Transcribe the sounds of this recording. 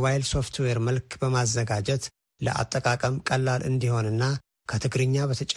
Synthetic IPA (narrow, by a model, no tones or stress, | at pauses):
wajlso̞ft̪ʰweɾməlkʰbəmazːəɡad͡ʒɛt̪ | lə̰ʔa̰t̪ʼːəkʼakʼəmkʼəlːalʔɨ̰nd̪iho̞nɨnːa | kʰət̪ʰɨɡɾɨɲːaβət̪ʰət͡ʃʼ